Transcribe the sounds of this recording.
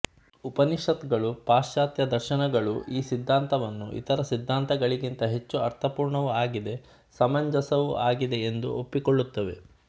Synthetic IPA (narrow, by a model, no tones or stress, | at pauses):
upɐniʃɐt̪ɡɐɭupaːʃaːt̪jɐd̪ɐɾʃɐnɐɡɐɭuʔiːsid̪ʱːaːnt̪ɐʋɐnːṵʔḭt̪ɐɾɐsid̪ʱːaːnt̪ɐɡɐɭiɡint̪ɐɦe̞t͡ʃːuɐɾt̪ʰɐpuːɾɳɐʋuaːɡid̪e̞ | sɐmɐɲd͡ʒɐsɐʋuʔaːɡid̪e̞end̪ṵʔopːikoɭːut̪ːɐʋe̞̰